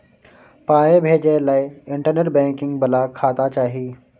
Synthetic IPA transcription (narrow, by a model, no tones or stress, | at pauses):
paːjebʱeːd͡ʑelaːɪɪ̃ɳʈəɾnəɾbɛ̃ːŋkɪ̃ŋɡbɐlakʰaːt̪at͡ɕaːɦiː